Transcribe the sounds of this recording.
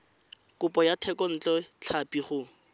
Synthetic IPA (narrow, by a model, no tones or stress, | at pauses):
kʊpʼɔjatʰɛkɔn̩t͡ɬʼɔt͡ɬʰapiχʊ